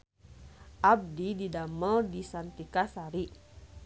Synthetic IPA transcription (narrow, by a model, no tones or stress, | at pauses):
ʔab̚dididaməldisant̪ikasaɾi